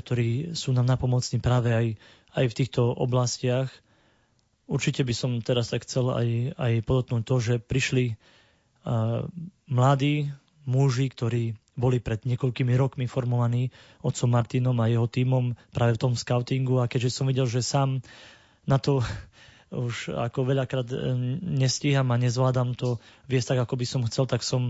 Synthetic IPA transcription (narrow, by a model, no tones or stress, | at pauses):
k̚t̪ɔɾiːsuːnaːmnapɔmɔt͡sniːpɾaːʋɛaj | ajft̪iːxt̪ɔɔ̰blascɪax | uɾt͡ʃicɛbisɔmt̪ɛɾast̪akxt͡sɛla̰jajpɔd̪ɔt̪knuːc̚t̪ɔʒɛpɾiʃli | mlad̪iː | muʒikt̪ɔɾiːbɔlipɾɛd̪ɲɪɛkɔʎkimiɾɔkmifɔɾmɔʋaniː | ɔt̪sɔmːaɾt̪iːnɔmajɛɦɔt̪iːmɔmpɾaːʋɛft̪ɔmskaʊt̪iŋɡuakɛɟʒɛsɔmʋiɟɛlʒɛsaːm | nat̪ɔ | uʃa̰kɔʋɛʎakɾaːd̪ɲɛsciɦamaɲɛzʋlaːd̪amt̪ɔʋɪɛst̪aɡakɔbisɔmxt͡sɛlt̪aksɔm